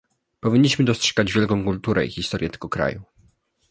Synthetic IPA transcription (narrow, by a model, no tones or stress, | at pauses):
pɔvʲiɲːiɕmɘd̪ɔstʂɛ̥ɡad͡ʑvʲjɛlkɔ̃w̃kult̪uɾɛ̰ḭxʲist̪ɔɾʲjɛt̪ɛɡ̥ɔkɾa̰ju